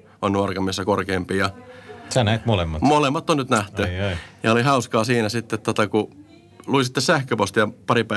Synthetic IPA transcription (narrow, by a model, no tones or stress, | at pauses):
onnuɑrkɑmːisːɑkorkeːmpiːjɑsænæet̪molemːɑt̪molemːɑt̪ːonnyt̪næht̪yjɑolihɑuskɑːsiːnæsit̪ːet̪t̪ot̪ɑku | luisit̪ːessæhkøpost̪ijɑpɑɾipæ